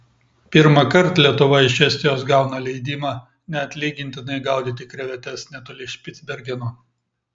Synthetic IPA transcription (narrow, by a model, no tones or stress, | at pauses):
pʲɪɾmɐkɐɾt̪lʲiɛt̪ʊʋɐɪʃʲɛsʲt̪ʲɪjoːs̬ɡɑˑʊnɐlʲɛɪd̪ʲiːmɑ | nʲɛɐt̪ʲlʲiːɡʲɪnʲt̪ʲɪnɐɪɡɑˑʊd̪ʲit̪ʲɪkɾʲɛʋʲɛt̪ʲɛsnʲɛt̪oːlʲɪʃʲpʲɪt̪zʲbʲɛɾʲɡʲɛnu